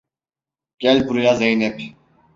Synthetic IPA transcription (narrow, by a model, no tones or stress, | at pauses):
ɟ̥ælʲbuɾujazejnɛp